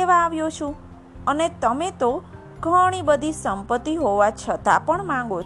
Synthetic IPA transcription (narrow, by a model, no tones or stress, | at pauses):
eʋaːʋjot͡ʃʰũ | ənet̪əmet̪o | ɡʱəɽ̃ibəd̪ʱisəmpət̪ːiɦoʋat͡ʃʰət̪apəɳmãŋɡo